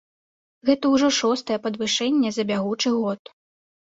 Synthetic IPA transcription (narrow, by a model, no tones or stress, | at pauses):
ɣɛt̪ɐwʐɔʂɔst̪ɐjɛpɐd̪vɨʂɛnʲːɛzɐbʲaɣut͡ʂɨɣɔt̪